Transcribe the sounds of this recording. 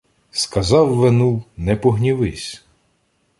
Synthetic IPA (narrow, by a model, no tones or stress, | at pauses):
skɐzɑwːenuwnɛpɔɦnʲiʋɪsʲ